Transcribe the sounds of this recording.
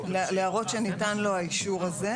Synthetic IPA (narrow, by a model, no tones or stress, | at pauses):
lleaʁo̞tʃenitanlo̞aiʃuʁaze̞